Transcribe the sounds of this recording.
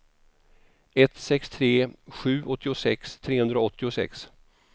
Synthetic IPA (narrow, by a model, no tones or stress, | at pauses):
ɛt̪sɛkst̪ʰɾeːɧʉ̟ːʔɔt̪ʰːɪʊsɛkst̪ʰɾeːhɵnd̪ɾaɔt̪ːɪʊsɛ̰ks